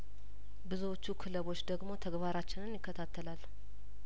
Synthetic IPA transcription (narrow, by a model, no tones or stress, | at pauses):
bɨzuwot͡ʃːukʰɨləβo̞t͡ʃːd̪əɡmo̞t̪ʰəɡbaɾat͡ʃːɪnɨnjɪkːət̪ʰat̪ʰːəlal